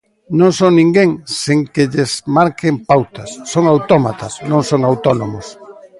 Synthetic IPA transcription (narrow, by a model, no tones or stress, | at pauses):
nõŋsonĩŋɡeŋseŋkeʎezmaɾkempawt̪ɐsːoŋawt̪ɔmat̪ɐsnõŋsoŋawt̪ɔnomʊs